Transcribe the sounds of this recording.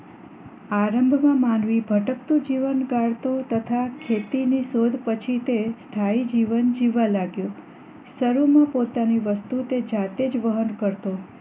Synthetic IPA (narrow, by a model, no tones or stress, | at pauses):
aɾəmbʱmãmãnʋibʱəʈək̚t̪ũd͡ʒiʋənɡaɽt̪ot̪ət̪ʰakʰet̪inisod̪ʱpət͡ʃʰit̪est̪ʰaid͡ʒiʋənd͡ʒiʋalaɡjõ | səɾumãpot̪aniʋəst̪ut̪ed͡ʒat̪ed͡ʒʋəɦənkəɾt̪o